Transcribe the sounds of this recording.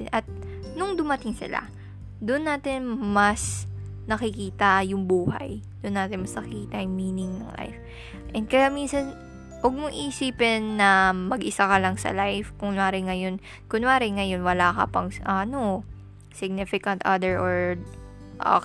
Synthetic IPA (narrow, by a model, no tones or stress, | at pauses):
ʔɐt̪̚ | nʊŋd̪ʊmɐt̪ɪŋsɪ̰la̰ | d̪ʊnːaːt̪ɪnmɐs | nɐkɪkiːt̪ɐjʊŋbuːhɐ̰j | d̪ʊnːaːt̪ɪnmɐsnɐkɪkiːt̪ɐjʊŋmiːnɪŋnɐ̰ŋla̰jf | ʔɛnd̪̚kɐjaminsɐn | ʔʊɡ̚mʊŋʔisiːpɛnːɐmɐɡʔɪsakɐlɐŋsɐ̰lajfkʊŋnaːɾɪŋɐjo̞n | kʊnʊaːɾɪŋɐjo̞nwɐlaːkɐ̰pɐŋʔɐno | sɪɡ̚nɪfɪkɐnt̪ʔɐd̪ɛɹʔoɹ | ʔo̰